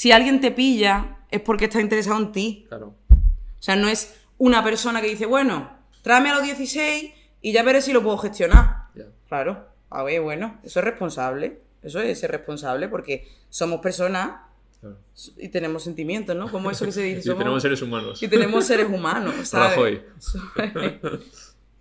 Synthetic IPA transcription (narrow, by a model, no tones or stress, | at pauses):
sialɣje̞nt̪e̞piʎae̞hpo̞ɾkeht̪aint̪ee̞saoent̪i | oseano̞e̞s | unape̞ɾso̞nakeðiθe̞βwe̞no̞ | t̪ɾamealo̞ɦðjeθise̞j | iʝaβe̞ɾesilo̞pweðoxe̞st̪jo̞naklaɾo | a̰eβwe̞noesoere̞hpo̞nsaβle̞ | es̬oeserʔe̞hpo̞nsaβle̞po̞ɾke̞so̞mo̞spe̞ɾso̞na | ḭt̪e̞nẽ̞mos̬e̞nt̪imjẽ̞nt̪onoko̞moesokes̬eðiθeomenemoseɾesumãnosit̪enemosse̞ɾe̞sumãnosalaβeojso